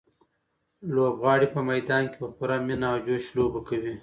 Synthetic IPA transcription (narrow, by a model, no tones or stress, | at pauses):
lobɣɑːɽipəmajd̪ɑːnkepəpuɾaminaːwd͡ʒoʃlobakawi